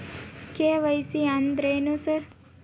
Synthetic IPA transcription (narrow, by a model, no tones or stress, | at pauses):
keʋɐjsiand̪ɾejnusɐɾ